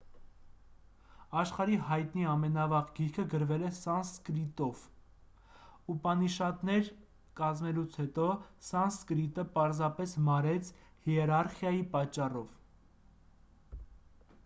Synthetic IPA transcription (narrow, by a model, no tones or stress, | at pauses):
ɑʃχɑɾihɑjt̪niɑmɛnɑvɑʁɡiɾkʰəɡəɾvɛlɛsɑnskɾit̪ɔv | upɑniʃɑt̪nɛɾ | kɑzmɛlut͡sʰhɛt̪ɔsɑnskɾit̪əpɑɾzɑpɛsmɑɾɛt͡sʰhiɛɾɑɾχjɑjipɑt͡ʃːɑrɔv